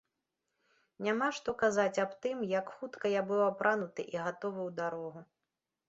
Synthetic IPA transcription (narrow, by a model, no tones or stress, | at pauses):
nʲamaʂt̪ɔkazat͡sʲapt̪ɨmjakxut̪kɐjabɨwapɾʔanut̪ɨʔiɣat̪ɔvɨwd̪aɾɔɣu